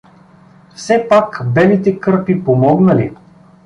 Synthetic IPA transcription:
fsɛpakbɛlit̪ɛkɤɾpipomɔɡnəli

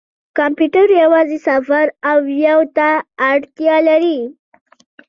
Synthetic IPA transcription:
kɑmpjuʈaɾjawɑzesafaɾawjawt̪aːɽt̪jɑlaɾi

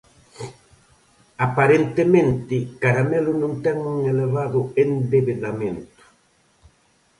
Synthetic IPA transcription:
apaɾent̪emẽnt̪ɪkaɾamelʊnũnt̪ɛŋuŋeleβaðʊend̪eβeðamẽnt̪ʊ̥

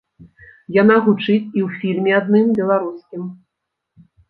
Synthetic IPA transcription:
janaɣut͡ʂɨt͡sʲiwfʲilʲmʲɛad̪̚nɨmbʲɛlˠaɾuskʲim

